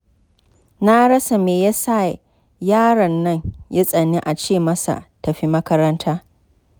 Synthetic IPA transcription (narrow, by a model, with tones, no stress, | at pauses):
na˦ɽɐ˦sa˨meː˨ja˦sa˦˨ | jaː˦ɽɐ˨nːɐ˦ɲja˦sʼɐ˨nːi˦ʔa˨t͡ʃeː˦˨mɐ˦sa̰˨tɐ˨ɸi˦mɐ˦kɐ˦ɾɐ˦ntʰaː˦